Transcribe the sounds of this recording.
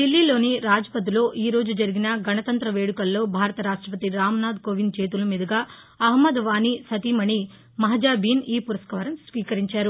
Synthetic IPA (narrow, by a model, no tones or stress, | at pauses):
ɖilːiːlo̞ːniɾaːd͡ʒɐpɐd̪ilo̞ːʔiːɾo̞ːd͡ʒud͡ʒɐɾiɡinɐɡɐnɐt̪ɐnt̪ɾɐʋe̞ːɽukɐlːo̞ːbʱaːɾɐt̪ɐɾaːʂʈɾɐpɐt̪iɾaːmɐnaːd̪̚koʋint͡ʃe̞ːt̪ulɐmiːd̪ʱɐɡaː | ɐɦmɐd̪ʋaːnisɐt̪imɐɳi | mɐɦɐd͡ʒaːbiːniːpuɾɐskɐʋɐɾɐmsʋiːkɐɾiɲt͡ʃaːɾu